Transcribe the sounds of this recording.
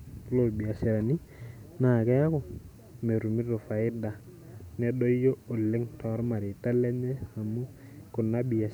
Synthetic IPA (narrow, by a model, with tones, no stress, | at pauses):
lo˨bi˨a˨sɛ˨ɾa˨ni˦ | na˨kɛ˦ja˦ko˨ | me˨ɾu˨mi˦do˨fa˨ɪ˦da˨ | nɛ˦do˦jo˦o˨lːe˦ŋtɔ˨˦ɾma˨ɾɪ˨ta˦lɛ˦ɲɛ˦a˨mu˦ | kʊ˨na˦bi˨a˨